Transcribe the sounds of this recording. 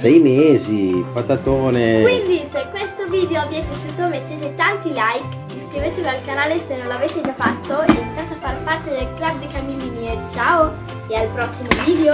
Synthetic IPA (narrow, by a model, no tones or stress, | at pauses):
sɛjmeːzipat̪at̪oːnekwind̪isekwest̪oviːd̪eoabːjɛposuːt̪omet̪ːeːt̪et̪ant̪ilajk | iskɾiveːt̪evealkanaːlesenːonloaveːt̪ed͡ʒafat̪ːoɛit̪at̪afːarpart̪ed̪elklabd̪ikamiliːniet͡ʃaːo | ealpɾɔsːimoviːd̪eo